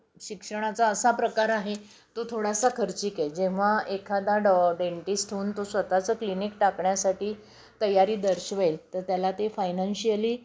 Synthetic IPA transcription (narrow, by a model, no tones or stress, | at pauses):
ɕikʂəɽ̃at͡saəsapɾəkaɾaɦe | t̪ot̪ʰoɽasakʰəɾt͡ɕiːked͡ʑẽʋ̤aʔekʰad̪aɽɖeɳʈisʈʰuːnt̪osʋət̪at͡səːklinikʈakɳjasaʈiː | t̪əjaɾiːd̪əɾɕʋəjlt̪əɾt̪jalat̪efajnanɕiəliː